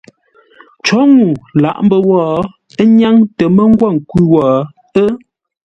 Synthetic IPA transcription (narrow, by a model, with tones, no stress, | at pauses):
t͡ʃɔ˨˦ŋu˨la̰˨ʔm˦bə˦˨wɔː˨ | ə˦ɲa˦ŋtə˨mə˦ŋ˦ɡwa˦˨ŋ̩˨kwi˦wɔː˨ | ə˦